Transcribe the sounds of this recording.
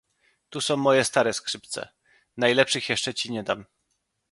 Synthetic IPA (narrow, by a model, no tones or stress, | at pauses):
t̪usɔ̃w̃mɔjɛst̪aɾɛskʂɘp̚t̪sɛ̰ | najlɛpʂɘxjɛʂt͡ʂɛt͡ɕiɲɛd̪am